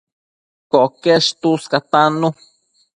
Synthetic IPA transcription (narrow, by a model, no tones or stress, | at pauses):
koʔkeʃt̪uskat̪anu